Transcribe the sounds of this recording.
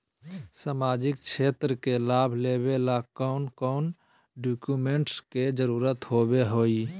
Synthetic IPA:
samad͡ʒɪkt͡ʃʰeːt̪ɾəkelaːbʱlebelakɔnkɔːn | ɖukjumeɳʈsked͡ʒəɾuːɾət̪ɦobeɦoːi

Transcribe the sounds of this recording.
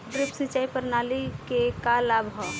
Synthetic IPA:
ʈɾɪpsɪ̃t͡ʃaːipəɾnaːlikekalaːbɦɔ

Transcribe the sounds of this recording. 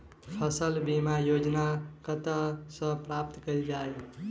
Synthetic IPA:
pʰəsəlbimajod͡ʒnakət̪əsə̃pɾap̚t̪kəld͡ʒae

